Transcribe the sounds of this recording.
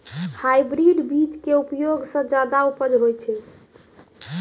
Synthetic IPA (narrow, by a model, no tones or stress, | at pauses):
hajbɾiɖbit͡ʃkeupjoɡsə̃d͡ʒad̪aupəɾɦojt͡ʃʰɛ